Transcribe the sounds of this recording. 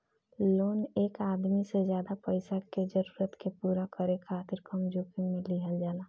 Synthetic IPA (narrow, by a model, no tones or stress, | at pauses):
loːneːkaːd̪misezjaːd̪apəɪsaked͡ʒəɾuːɾət̪kepuːɾakəɾekʰaːt̪ɪɾkəmd͡ʒoːkĩmẽlɪɦəld͡ʒaːlaː